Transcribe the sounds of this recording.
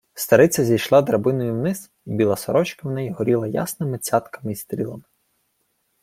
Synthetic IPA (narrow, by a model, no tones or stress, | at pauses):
st̪ɐɾɪt͡sʲɐzʲijʃlˠɑd̪ɾɐbɪnɔjuwnɪz | bʲilˠɐsɔɾɔt͡ʃkɪwnɛjiɦɔɾʲilˠɐja̰snɪmɪt͡sʲɑt̪kɐ̥mɪist̪ɾʲilˠɐmɪ